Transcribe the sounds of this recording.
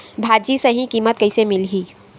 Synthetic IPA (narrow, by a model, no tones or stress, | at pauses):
bʱaːd͡ʒisɐɦĩkiːmət̪̚kɐisemɪlɦiː